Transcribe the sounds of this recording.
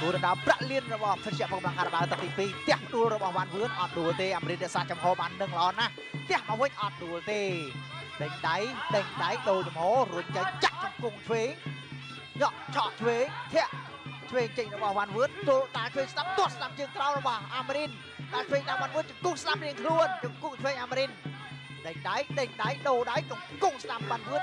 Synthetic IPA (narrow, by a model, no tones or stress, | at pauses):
kuəɗɑnɗaəpraʔliənrɔɓɑhpʰət̪̚t͡ɕɛʔpək̚mlaŋkʰaːɾaɓaːt̪ɨk̚t̪iːpiːt̪ɛ̆əhpʰəɗuəlrɔɓɑhʋanʋɨənʔɑt̪̚ɗuəlt̪eːʔaːmeɾinɾɛ̆əʔsaːt͡ɕɑmhɔːɓaːnːɨŋləʔɑːnah | t̪ɛ̆əhmawʋɨɲʔɑt̪̚ɗuəlt̪eːɗɨɲɗajɗɨɲɗajɗoːlt͡ɕɑmhɔːruəɲt͡ɕəŋt͡ɕaʔt͡ɕɑmkuŋt̪ʰʋeːŋ | ɲɔʔt͡ɕʰɑʔt̪ʰʋeːŋt̪ʰɛ̆əʔ | t͡ɕʰʋeːŋt͡ɕək̚rɔɓɑhʋanʋɨət̪̚uk̪aːltʰʋeːŋsnap̚t̪ʊ̆ətsnamt͡ɕəːŋk̪rawrɔɓɑhʔaːmeɾin | kaːlt̪ʰʋeːŋɗaʋanʋɨət̪̚t͡ɕəŋkusnamriəŋkʰluənt͡ɕʊŋkuŋt̪ʰʋeːŋʔaːmeɾin | ɗəɲɗajɗɨɲɗajɗoːɗajkʊŋkuŋsnamʋanʋɨət̪